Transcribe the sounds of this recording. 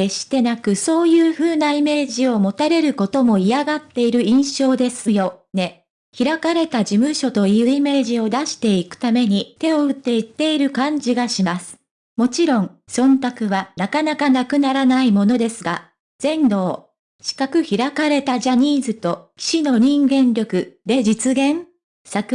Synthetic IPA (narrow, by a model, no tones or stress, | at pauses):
eɕi̥t̪e̞nakɯ̟so̞ːjɯːɸɯ̟ːnaime̞ːʑio̞mo̞t̪aɾe̞ɾɯ̟ko̞t̪o̞mo̞iaɡat̪ːe̞iɾɯ̟ĩɰ̃ɕo̞ːd̪e̞sɨ̥jo̞ne̞ | çiɾakaɾe̞t̪ad͡ʑimɯ̟ɕo̞t̪o̞iɯ̟ːime̞ːʑio̞d̪aɕi̥t̪e̞ikɯ̟̥t̪ame̞ɲ̟it̪e̞o̞ɯ̟t̪ːe̞it̪ːe̞iɾɯ̟kãɲ̟d͡ʑiɡaɕimasɨ̥ | mo̞t͡ɕiɾõ̞ŋsõ̞nt̪akɯ̟βanakanakanakɯ̟naɾanaimo̞no̞d̪e̞sɨɡa | z̥ẽ̞nɾo̞ː | ɕi̥kakɯ̟çiɾakaɾe̞t̪aʑaɲ̟iːzɨt̪o̞kʲi̥ɕino̞ɲ̟ĩŋɡẽ̞nɾʲo̞kɯ̟d̪̥e̞d͡ʑit͡sɨɡẽ̞ɴ | sakɯ